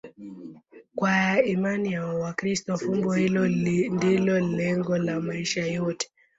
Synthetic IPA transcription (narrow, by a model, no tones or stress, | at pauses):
kwaimanijawwakɾistɔfumbɔhilɔndilɔlɛŋɡɔlamaiʃajɔtɛ̥